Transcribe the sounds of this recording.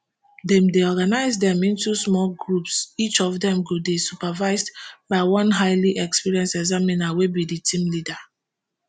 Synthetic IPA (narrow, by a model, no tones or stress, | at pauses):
dɛ̃mdeɔɡanaɪzdɛ̃mĩntusmɔlɡɹupsit͡ʃɔvdɛ̃mɡudisupavaɪzdbaɪwɔ̃nɦaɪliʔɛkspiɹiɛ̃nsɛɡzaminawebiditʰĩmlida